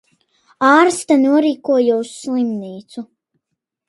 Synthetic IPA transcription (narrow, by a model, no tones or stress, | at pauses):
aːɾst̪anuɔɾiːkuɔjusːlˠimniːt̪su